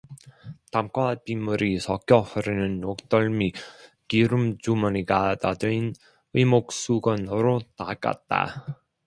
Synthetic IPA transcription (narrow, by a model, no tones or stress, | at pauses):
tamkwapimːuɾisʰʌk͈jʌhɯɾinɯnːok̚t͈ʌɭmi | kiɾumt͡ɕumʌniɡadadɯin | imok̚s͈uɡʌnoɾota̰k͈a̰t̚t͈a̰